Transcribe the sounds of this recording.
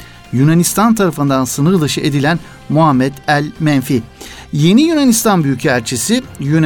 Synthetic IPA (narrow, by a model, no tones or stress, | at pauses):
jynanist̪ʰant̪ʰaɾafɯnd̪ansɯnɯɾlˠaʃɯʔed̪ilʲæn | muɦamːɛd̪ælʲmɛnfi | je̞nijynanist̪ʰanbyjycʰæɾt͡ʃʰisijyn